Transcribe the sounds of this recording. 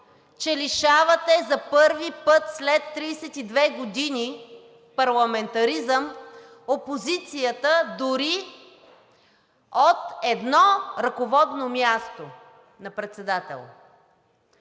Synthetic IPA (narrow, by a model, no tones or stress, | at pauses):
t͡ʃɛliʃavɐt̪ɛzɐpɤɾvipɤt̪slɛt̪ːɾijsɛt̪id̪vɛɡod̪ini | pɐɾlˠɐmɛnt̪ɐɾizəm | opozit̪sijət̪əd̪ʊɾi | ot̪ɛd̪nɔɾɐkovɔd̪nomjast̪o | nɐpɾɛt̪sɛd̪at̪ɛ̰lˠ